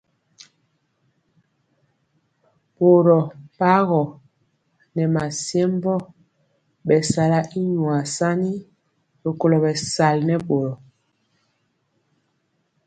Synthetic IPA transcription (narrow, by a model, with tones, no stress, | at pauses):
bo˨ɾɔ˨pa˦ɣɔ˨ | nɛ˨ma˨sje˦m˦bɔ˦˨ | ɓɛ˨sa˨la˦ʔi˦ɲwa˨sa˦ɲi˦ | bo˨ko˨lɔ˨bɛ˨sa˨lnɛ˦ɓo˨ɾɔ˨